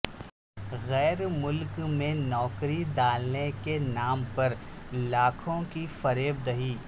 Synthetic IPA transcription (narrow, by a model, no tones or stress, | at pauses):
ɣɛːɾmʊlkmẽnɔːkɾid̪aːlnekenaːmpɐɾ | laːkʰõkifɐɾeːb̚d̪ɐɦiː